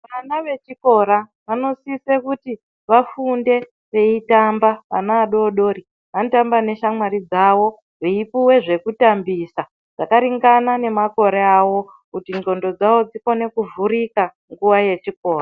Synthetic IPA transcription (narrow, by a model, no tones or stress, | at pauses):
ʋanaʋe̞t͡ʃiko̞ɾaʋano̞sisekuti | ʋafunde̞ | ʋe̞itambaʋa̰naːɗo̞ːɗo̞ɾi | ɦantambane̞ʃamwaɾid͡zawo̞ | reipuwe̞ʐe̞kutambisa | d͡zakaɾiŋɡanane̞mako̞ɾeawo̞ | kutinɡo̞ndo̞d͡zawo̞d͡ziko̞ne̞kuvuɾika | ŋɡuwaje̞t͡ʃiko̞ːra